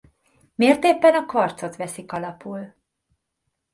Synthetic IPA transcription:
meːrt̪eːpːɛnɒkʋɒrt̪so̞t̪ʋɛsikɒlɒpul

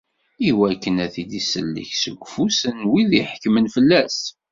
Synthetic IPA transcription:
iwækːənæθid̪isəlːḭçsəɡʷfusənwiðiħkːmənfəlːæs

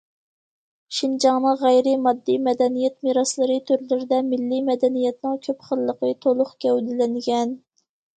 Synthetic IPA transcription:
ʃind͡ʒɑŋnɨʁæjɾɪmɑd̪ːimɛd̪ɛnijɛt̪miɾɑslˠəɾɨt̪ʰøɾlɪɾɪd̪ɛmɪlːimɛd̪ɛnijɛt̪nɨŋkʲʰøpχəlˠːəqət̪ʰolˠʊχɡʲɛwd̪ɪlɪŋɡʲɛn

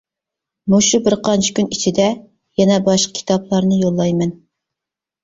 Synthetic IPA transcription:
muʃubɪɾqʰɑnt͡ʃʰi̥kʲynit͡ʃʰid̪ɛ | jɛnɛbɑʃqʰə̥kʲʰi̥t̪ʰɑplˠɑɾnɨjolˠːɑjmɛn

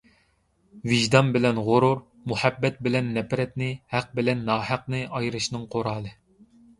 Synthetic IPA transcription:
vɪʒd̪ɑnbɪlɛnʁʊɾuɾ | muhæbːɛt̪̚bɪlɛnːɛpɾɛt̪nɪhæq̚bɪlɛnːɑːhæq̚nɨɑjɾɨʃnɨŋqʰoɾɑːlˠɨ

